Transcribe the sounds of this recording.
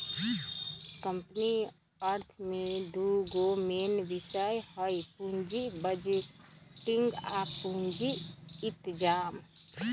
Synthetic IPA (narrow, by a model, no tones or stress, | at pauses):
kəmpni | əɾt̪ʰmed̪uɡomenʋisəjhəjpund͡ʒibəd͡ʒ | ʈiŋɡapund͡ʒiːt̪d͡ʒam